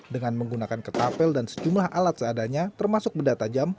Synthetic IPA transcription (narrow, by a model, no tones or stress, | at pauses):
dəŋanməŋɡunakankət̪apɛldansə̥d͡ʒumlahʔalat̪̚səadaɲat̪ərmasʊk̚bədat̪ad͡ʒam